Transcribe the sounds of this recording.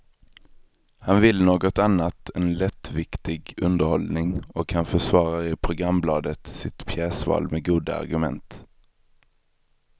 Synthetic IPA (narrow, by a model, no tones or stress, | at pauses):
hanvɪlnoːɡɔt̪anːat̪ʰɛnlɛt̪ːvɪkt̪ɪɡɵnd̪əɾhɔlnɪŋɔkhanfœʂvɑːɾaɪpʰɾʊɡɾamblɑːd̪ət̪sɪt̪pʰjɛːsvɑ̰ːlmɛɡuːd̪aa̰ɾɡɵmɛ̰nt̪